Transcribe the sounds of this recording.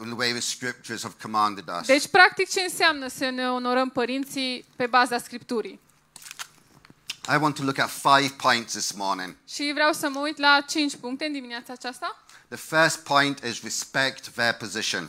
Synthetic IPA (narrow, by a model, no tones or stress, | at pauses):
ðəweɪðə̥skɹɪp̚t͡ʃəz̥əv̥kʰəmɑ̃ndɪdə̰sd̪et͡ʃʲpɾak̚t̪ik̚t͡ʃe̞ɨnseamnəsəneono̞ɾəmpəɾint̪sipe̞bazaskɾipt̪uɾi | aɪwɒ̃ntʰəlʊkətfaɪv̥pʰɔ̃ɪ̃ntsðɪsmɔːnɪ̰̃ŋʃivɾeawsəməujt̪lat͡ʃint͡ʃʲpuŋk̚t̪e̞ɨnd̪imineat̪saːt͡ʃast̪a | ðəfɜˑspʰɔ̃ɪ̃ntɪzɹɪspɛk̚tðəpʰəzɪʃə̰̃n